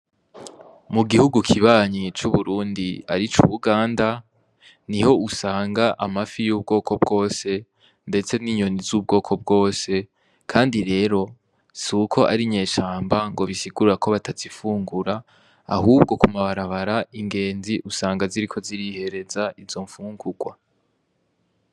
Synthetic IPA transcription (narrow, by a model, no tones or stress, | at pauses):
muɡihuɡukʰiβaːɲit͡ʃuβuɾuːndia̰ɾit͡ʃuβuɡaːnda | niho̞usaːŋɡaʔamafijuːb̚ɡo̞ːkʰo̞b̚ɡo̞ːse̞ | nde̞t͡se̞niɲo̞nizuːb̚ɡo̞ːkʰo̞b̚ɡo̞ːse̞ | kʰaːndiɾe̞ːɾo̞ | sukʰo̞ʔa̰ɾiɲe̞ːʃaːmbaŋɡo̞βisiɡuɾuɾako̞βatʰazifuːŋɡuɾa | a̰huːbɡo̞kumaβaɾaβaɾaiŋɡe̞ːnziʔusaːŋɡaziɾikʰo̞ziɾihe̞ɾe̞zaʔizo̞ɱfuːŋɡuɡwa̰